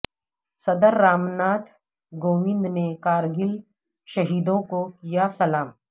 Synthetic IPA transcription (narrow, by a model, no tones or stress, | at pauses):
sɐd̪əɾːaːmnaːt̪ʰ | ɡoːʋɪ̃nd̪nekaːɾɡɪl | ʃɐɦiːd̪õkokijasɐlaːm